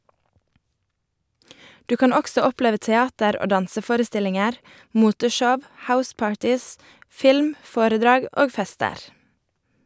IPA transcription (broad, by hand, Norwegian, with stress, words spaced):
ˈdʉː ˈkɑn ˈɔksɔ ˈɔpleːʋə tɛˈɑːtəɾ ˈoː ˈdɑnsəˌfoːɾəˌstɪlɪŋəɾ ˈmuːtəˌʃɔʋ ˈhaʊˌspɑːɹtɪs ˈfɪlm ˈfoːɾəˌdɾɑːɡ ˈoːɡ ˈfɛstəɾ